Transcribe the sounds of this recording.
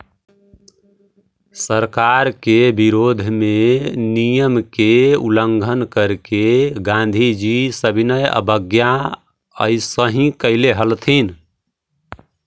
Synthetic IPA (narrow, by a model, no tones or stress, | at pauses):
səɾkaɾkebiɾod̪ʱmenijəmkeṵləŋɡʱənkəɾkeɡãnd̪ʱid͡ʒisəbʱinəjə̰bəɡja | ə̰ɪsəɦĩkəɪleɦəlt̪ʰin